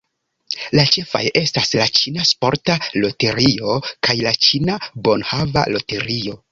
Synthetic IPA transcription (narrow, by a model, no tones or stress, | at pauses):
lat͡ʃe̞fa̰je̞staslat͡ʃinaspo̞ɾtalo̞te̞ɾio̞kajlat͡ʃinabo̞nhava̰lo̞te̞ɾio̞